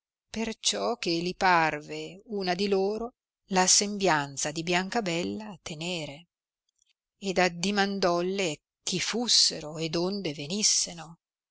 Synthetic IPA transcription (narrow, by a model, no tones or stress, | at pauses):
pert͡ʃɔk̟ːeliparveuːnad̪iloːɾo | lasembjant̪sad̪ibjaŋkabɛlːaːt̪ːeneːɾe | ed̪ad̪imand̪ɔlːe | k̟ʰːifusːeɾoed̪ond̪evenisːeno